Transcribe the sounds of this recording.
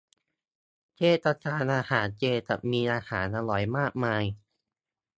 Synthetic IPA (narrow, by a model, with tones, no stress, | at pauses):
t͡ɕeː˧t̪a˧t͡ɕʰaː˧nʔaː˧haː˩˦nt͡ɕeː˧t̪a̰˨˩miː˧ʔaː˧haː˩˦nʔaː˧lɔ˨˩jmaː˥˩k̚maː˧j